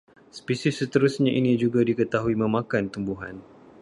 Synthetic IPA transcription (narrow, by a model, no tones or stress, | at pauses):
spisisːət̪əɾusɲãʔinĩd͡ʒuɡadikət̪aɦuimə̃mãkant̪umbuɦan